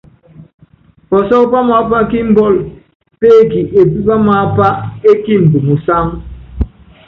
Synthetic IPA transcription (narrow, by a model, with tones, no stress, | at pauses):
pɔ˨sɔ˦pa˦ma˦pa˦ki˦m̩˦bɔ˦˨l | pe˦˨ki˨ʔe˨pi˦ba˦ma˦pa˦e˦ki˦m̩˨bu˨mu˨sa˦ŋ